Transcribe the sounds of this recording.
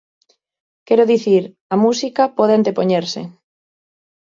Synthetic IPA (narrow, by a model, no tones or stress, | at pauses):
kɛɾʊðiθiɾ | ɐmusikapɔð̞eant̪epoɲeɾsɪ̰